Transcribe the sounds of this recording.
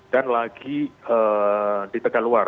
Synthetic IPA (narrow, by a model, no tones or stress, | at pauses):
d̥anlaɡiəːdit̪əkaluar